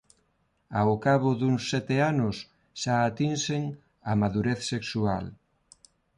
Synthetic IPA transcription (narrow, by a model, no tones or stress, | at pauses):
awkaβʊðuŋsɛt̪eanʊs | ʃaːt̪inseŋ | amaðuɾeθseksual